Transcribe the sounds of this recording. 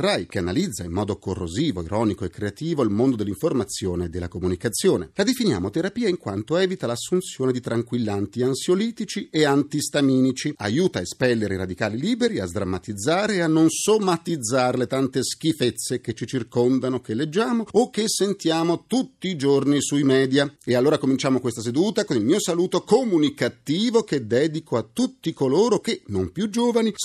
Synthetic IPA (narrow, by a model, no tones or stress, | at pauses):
rajk̟eanalid̪zːaimːɔːd̪okorːoziːvoiɾɔːnikoekːɾeat̪iːvoilmond̪od̪elːiɱformat̪sːjoːneːd̪ːelːakomunikat̪sːjoːnḛlad̪efinja̰ːmot̪eɾapiːaiŋkwant̪oɛːvit̪alasːunt̪sjoːned̪it̪ɾaŋkwilːant̪iansjoliːt̪it͡ʃieant̪ist̪amiːnit͡ʃia̰juːt̪aespɛlːeɾeɾad̪ikaːliliːbeɾiazd̪ɾamːat̪id̪zːaːɾeanːonsomːat̪id̪zːaːɾelet̪ant̪esk̟ifet̪sːek̟et͡ʃːit͡ʃirkond̪anokelːed͡ʒːaːmoːk̟ːesːent̪jaːmot̪ut̪ːiːd͡ʒornisuimɛːd̪jaealːoːɾakomint͡ʃaːmokwest̪as̬ed̪uːt̪akonilmiːosaluːt̪okomunikat̪iːvok̟ed̪ɛːd̪ikoat̪ːut̪ːikoloːɾok̟enompjud͡ʒoːvani